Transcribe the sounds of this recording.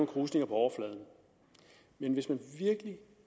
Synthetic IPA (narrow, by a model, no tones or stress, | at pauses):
ŋ̩kʰʁuːsne̝ŋɐpʰɒ̽ɒʊɐflɛð̞ˠn̩ | menʋe̝smænʋiɐɡ̥əli